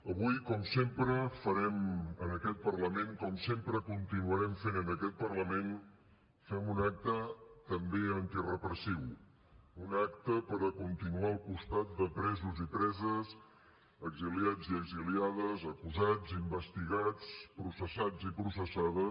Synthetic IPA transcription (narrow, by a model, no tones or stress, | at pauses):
əβujkɔmsempɾəfəɾɛmənəkɛt̪̚pərləmeŋkɔmsempɾəkunt̪inuəɾɛmfenənəkɛt̪̚pərləmen | fɛmunak̚t̪ət̪əmbeənt̪irəpɾəsiw | unakt̪əpəɾəkunt̪inuaəlˠkust̪at̪̚d̪əpɾɛzuzipɾɛzəs | əɡziliad͡ziəɡziliaðəzəkuzad͡zimbəst̪iɣat͡spɾusəsad͡zipɾusəsaðə